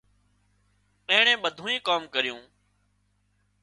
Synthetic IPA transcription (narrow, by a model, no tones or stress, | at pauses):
ə̃ːɳẽːɓəd̪ʱũːĩːkaːmkəɾɪjũː